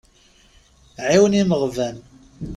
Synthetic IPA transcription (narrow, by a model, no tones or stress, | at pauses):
ʕiwəniməʁvæn